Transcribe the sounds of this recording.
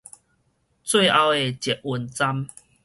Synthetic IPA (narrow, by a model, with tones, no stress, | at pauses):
t͡swe˥˧˨a˧we˨˩t͡ɕɛ˨˩t̚u˧nt͡sa˦m